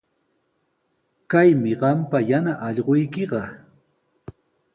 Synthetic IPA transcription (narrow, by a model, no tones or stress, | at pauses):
kajmɪɢɑmpajanaʔɑʎɢojkeɢɑ